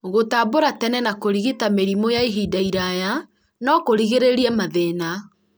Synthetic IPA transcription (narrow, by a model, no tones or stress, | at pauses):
ɣotaboɾatɛnɛnakoɾiɣetameɾimojaiɦidaiɾaja | nɔkoɾiɣeɾeɾiɛmaðena